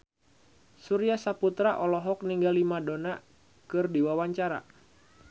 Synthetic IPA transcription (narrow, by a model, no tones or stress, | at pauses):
suɾiasaput̪ɾaʔɔlɔɦɔk̚niŋɡalimadona | kɨrdiwawaɲt͡ʃaɾa̰